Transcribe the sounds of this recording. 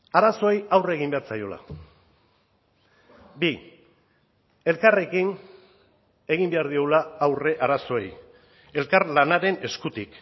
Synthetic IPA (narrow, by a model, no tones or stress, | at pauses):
aɾaso̞ejawre̞ɣ̞imbe̞aɾt͡sajo̞la̰ | bi | e̞lkare̞kin | e̞ɣ̞imbe̞aɾðioɣulaawre̞ʔaɾaso̞ej | e̞lkaɾlanaɾe̞ne̞skut̪ik